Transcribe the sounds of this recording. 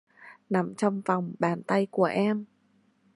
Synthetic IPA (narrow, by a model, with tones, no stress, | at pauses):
na˨˩mt͡ɕɔ˧wŋ͡mva˨˩wŋ͡mɓaː˧˩nt̪a˧jku˧˩əʔɛ˧m